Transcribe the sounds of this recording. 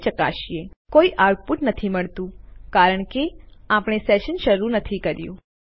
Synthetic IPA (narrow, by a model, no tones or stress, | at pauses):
t͡ʃəka̰ʃiekoiʔaʈ̚puʈnət̪ʰiməɭt̪ũkaɾəɳ̃keapɽ̃esɛʃənʃəɾunət̪ʰikəɾjṵ̃